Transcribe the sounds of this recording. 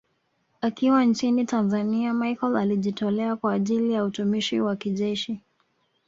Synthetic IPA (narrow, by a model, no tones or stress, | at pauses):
akiwant͡ʃinitanzaniamajkɔlaliʄitɔlɛakwaːʄilijautumiʃḭwakiʄɛʃi